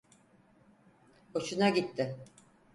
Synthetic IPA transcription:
ot͡ʃunaɟit̪ːɪ

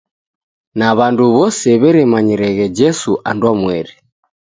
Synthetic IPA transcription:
naβanduβɔsɛβɛɾɛmaɲiɾɛɣɛd͡ʒɛsuʔa̰ndwamwɛɾi

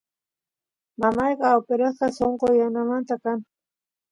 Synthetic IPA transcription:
mamɑjqɑːwpeɾasqɑsoɴqojanamant̪akaŋ

